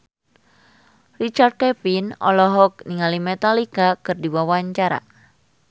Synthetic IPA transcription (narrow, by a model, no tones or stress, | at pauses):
rit͡ʃard̪̚kɛpinɔ̰lɔɦɔk̚niŋalimɛt̪alikakɨrdiwawaɲt͡ʃaɾa̰